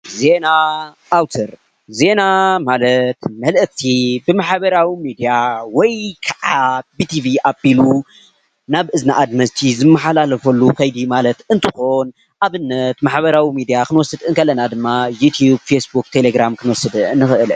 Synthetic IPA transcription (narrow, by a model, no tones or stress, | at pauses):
ze̞naʔːwt̪ʰɐɾ | ze̞namalɐt̪mɐlʔt̪ʰibɨmaħbɐɾawimid̪ijawɔjkʰɐʕabit̪ʰiviʔabilu | naβʔɨznaʔad̪mɐzt̪ʰizɨmːɐħalalɐfɐlːukʰɐjd̪imalɐt̪ɨnt̪ʰɨxon | ʔaβɨnːɐt̪maħbɐɾawimid̪ijakʰɨnwɔsːɨd̪ɨŋkʰɐlːɐnad̪ɨmːajut̪ʰjub̚fesbuk̚t̪ʰe̞leɡɾamkʰɨnwɔsɨd̪ɨɨnːɨxɨʔɨl